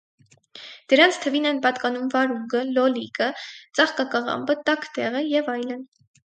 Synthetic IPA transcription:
d̪̥əɾɑnt͡sʰt̪ʰəvinɛnpɑt̪kɑnumvɑɾuŋɡəlɔlikət͡sɑχkɑkɑʁɑ̰mbət̪ɑkʰt̪ɛʁəjɛvɑjlən

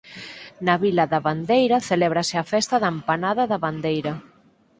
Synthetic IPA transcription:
naβilɐðaβand̪ejɾɐθeleβɾaseafɛst̪aðampanaðaðɐβand̪ejɾɐ

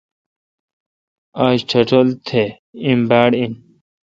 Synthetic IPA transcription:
aːɕt͡ɕʰɐʈʰolt̪ʰe | imbaːɽin

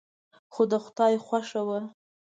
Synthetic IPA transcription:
xod̪əxʊt̪ɑjxʷwaʂawa

